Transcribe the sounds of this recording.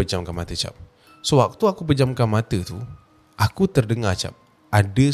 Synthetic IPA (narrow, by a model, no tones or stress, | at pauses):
əd͡ʒamkanmat̪ət͡ʃa̰p̚ | səwak̚t̪uakupəd͡ʒamkanmat̪ət̪u | ʔakut̪ərdəŋat͡ʃa̰p̚ | ʔadə